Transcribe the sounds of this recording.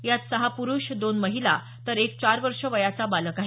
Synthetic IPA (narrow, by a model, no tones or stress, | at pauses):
jat̪səɦapuɾuʂd̪onməɦila̰ | t̪əɾek̚t͡ɕaɾʋəɾʂəʋəjat͡sabaləkaɦe